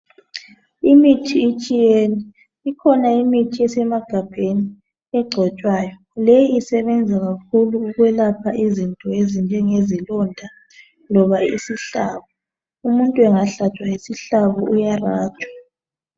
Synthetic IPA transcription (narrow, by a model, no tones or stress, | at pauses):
imitʰiːt͡ʃʼijeniː | kʰɔnaimitʰiɛsɛmaɡ̥ʱab̥ʱeni | ɛɡ͡ǀʱɔt͡ʃʼwaːjɔ | lejiisɛβɛnd͡zʱaɣak̚ʰuluːɣwɛlapʰaʔizintʼɔezind͡ʒʱɛŋezilɔndʱa | lɔβaisiɬaβɔ | umuntʼuɛŋaɬat͡ʃʼwaisiɬaβɔʔujaraːt͡ʃʼwḁ